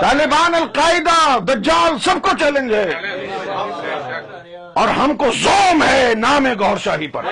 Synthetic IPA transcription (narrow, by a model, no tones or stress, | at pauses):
t̪aːlɪbaːnɐlqaːɪd̪ad̪ɐd͡ʒaːlsɐb̚kot͡ʃɛːlə̃nd͡ʒɦɛː | ɔːɾɦɐmkozoːmɦɛnaːmeɡɔːɾʃaːɦipɐ̰ɾ